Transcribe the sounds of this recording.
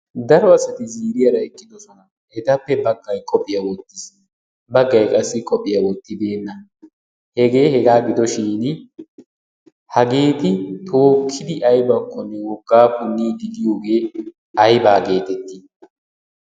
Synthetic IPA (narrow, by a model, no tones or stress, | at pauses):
d̪ɐɾɔɐsɐt̪ɪziːɾɪjɐɾɐɛkʼːɪd̪ɔsɔnɐ | ʔɛt̪ɐpːɛbɐɡːɐjkʼɔpʼːɪjɐwɔt̪ːɪs | bɐɡːɐjkʼɐsːɪkʼɔpʼːɪjɐwɔt̪ːɪd̪e̞ːnːɐ | hɛɡe̞ːhɛɡaːɡɪd̪ɔʃɪːn | hɐɡe̞ːt̪ɪt̪ʰo̞ːkʰːɪd̪ɪʔɐjbɐkːɔnːɛwɔɡːaːkʊnːiːɡ̪ɪd̪ɪjo̞ːɡe̞ː | ɐjbaːɡe̞ːt̪ɛt̪ːi